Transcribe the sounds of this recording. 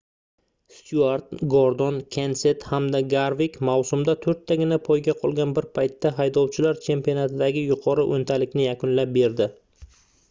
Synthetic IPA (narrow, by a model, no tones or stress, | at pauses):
st̪uaɾt̪̚ɡoɾd̪ɒnkʰʲense̞t̪hamd̪aɡaɾvɪkʲmawsʊmd̪at̪ʰɵɾt̪ʰːaɡʲɪnapʰojɡʲaqʰɒlˠɡʲanbɪɾpʰajt̪ʰːaɦajd̪ɒwt͡ʃʰɪlaɾt͡ʃʰe̞mpionat̪ʰɪd̪aɡʲɪjʊqʰɒɾɪʔont̪ʰalɪkʲnɪjakʊnlap̚be̞ɾd̪ɪ